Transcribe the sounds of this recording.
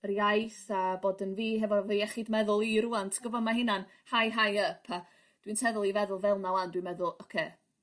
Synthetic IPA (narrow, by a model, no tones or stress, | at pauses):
riajθaboːdənviːɦɛvɔvejɛχidmɛðʊlˠiɾuantʰə̥ɡ̥əvɔmaɦɪnan | hajɦajəpʰa | d̥wintʰɛðʊlˠivɛðʊlˠvɛlˠnawandwimɛðʊlˠɔkʰeː